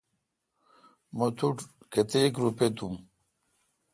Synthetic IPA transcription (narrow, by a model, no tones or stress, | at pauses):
mot̪ʰuʈket̪ekɾupet̪um